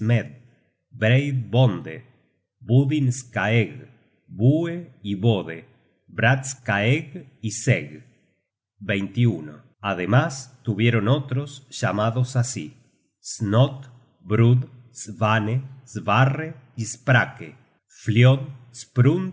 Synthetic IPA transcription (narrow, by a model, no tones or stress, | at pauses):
smed̪̚ | bɾejd̪bond̪ḛ | buðinskaeɣ | bueiβoðe | bɾat̪skaeɣiseɣ | bejnt̪iuno̰ | aðemast̪uβjeɾonot̪ɾosʃamaðosasi | snot̪ | bɾuð | sβanezβare | ispɾakḛ | fljoðspɾun